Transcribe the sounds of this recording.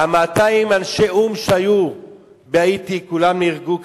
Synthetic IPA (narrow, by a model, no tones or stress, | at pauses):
amaːt̪aimanʃeʔumʃeaju | beait̪ikulamniʁɡuk